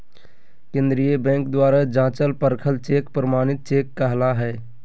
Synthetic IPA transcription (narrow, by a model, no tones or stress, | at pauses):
kẽːnd̪ɾijəbɛ̃ːŋkd̪waːɾad͡ʒãːt͡ʃəlpəɾkʰəlt͡ʃeːkpɾəmaːnɪt̪̚t͡ʃeːkːəɦlaɦɛː